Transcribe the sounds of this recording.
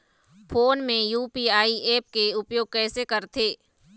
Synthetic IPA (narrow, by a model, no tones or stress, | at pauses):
pʰoːnmẽjuːpiaːieːp̚keʊpjoːɡ̚kɛːsekɐɾt̪ʰeː